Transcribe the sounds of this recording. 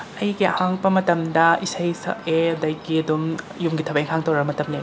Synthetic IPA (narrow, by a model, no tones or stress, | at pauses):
ɐjɡiɐ̰haŋbɐmɐtɐmdɐisɐjsɐ̰ʔeɐdɐjɡiɐdum | jumɡitʰɐbɐjeŋɦʰhaŋtɐwɾɐbɐmɐtɐmle